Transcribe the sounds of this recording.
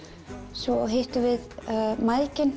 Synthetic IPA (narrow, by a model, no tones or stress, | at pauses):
svɔɔ̰ɦeht̪ʏvɪðmaðcɪn